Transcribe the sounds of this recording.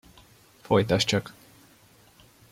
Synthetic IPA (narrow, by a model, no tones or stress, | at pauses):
fojt̪ɒʃt͡ʃɒk